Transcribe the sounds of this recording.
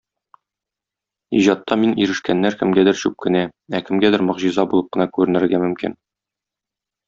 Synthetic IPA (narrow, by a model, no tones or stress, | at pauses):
iʑɑt̪ːɑminiɾɘ̆ʃkænːæɾkɘ̆mɡæd̪ɘɾɕʉp̚kɘ̆næækɘ̆mɡæd̪ɘɾmŏʁʑizɑbulˠɤp̚qɤ̆nɑkʉɾɘ̆nɘ̆ɾɡæmɵ̆mkḭn